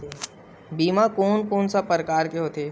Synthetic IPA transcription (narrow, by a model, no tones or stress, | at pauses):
biːmakoːnkoːnsapəɾkaːɾkeɦot̪eː